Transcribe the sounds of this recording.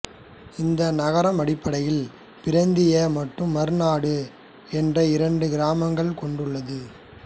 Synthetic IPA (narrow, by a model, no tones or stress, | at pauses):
ɪnd̪ɐnɐɣɐɾɐmɐɽɪpːɐɽɐjɪl | pɪɾɐnd̪ɪjɐmɐʈrɯmːɐɾɯnaːɽɯ | ɛndrɐɪɾɐɳɖɯɡɪɾaːmɐŋɡɐɭkɔɳɖɯɭːɐðɯ